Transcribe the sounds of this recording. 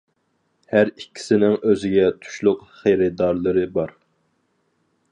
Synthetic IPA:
hæɾikʲʰːi̥sɪnɪŋøzɪɡʲɛt̪ʰu̥ʃlˠʊqχejɾɪd̪ɑɾlˠɨɾɨbɑɾ

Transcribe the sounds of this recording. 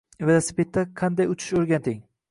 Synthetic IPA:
vlˠasɪ̥pʰet̪ːaqʰɑnd̪ajʊt͡ʃʰɪ̥ʃoɾɡʲant̪ʰɪŋ

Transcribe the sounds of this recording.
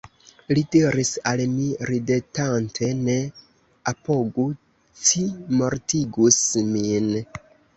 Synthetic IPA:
lidiɾisalmiɾidetantʰe̞ne̞ | apo̞ɡu | t͡ʃimo̞ɾtiɡusmin

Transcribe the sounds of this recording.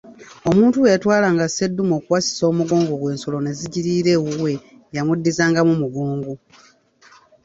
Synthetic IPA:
o̞muːntuweatwaːlaːŋɡase̞dːumo̞ːkuwasi̥so̞ːmuɡo̞ːŋɡoɡwe̞ːnso̞lo̞ne̞ziɟiɾiːɾe̞ːwuwe̞ | jamudːizaːŋɡamumuɡoːŋɡu

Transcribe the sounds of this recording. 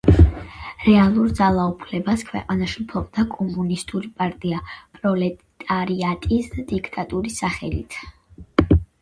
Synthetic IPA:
ɾɛalˠuɾd̪zalˠaupʰlɛbaskʰwɛ̰qʼanaʃiupʰɔqʼd̪akʼɔmunist̪ʼuɾipʼaɾt̪ʼiapʼɾɔlɛt̪ʼaɾiat̪ʼisd̪ad̪̥ikʰt̪ʼat̪ʼuɾisaχɛlḭt̪ʰ

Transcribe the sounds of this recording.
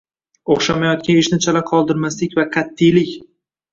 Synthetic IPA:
oχʃamajɒt̪̚kʲanɪʃnɪt͡ʃʰalaqʰɒlˠd̪ɪɾmaslɪkʲvaqʰat̪ʰːɪjlɪkʲ

